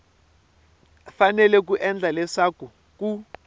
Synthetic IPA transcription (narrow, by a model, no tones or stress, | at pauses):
fanɛlɛk̬uʔɛnd͡ɮʱalɛsaku | ku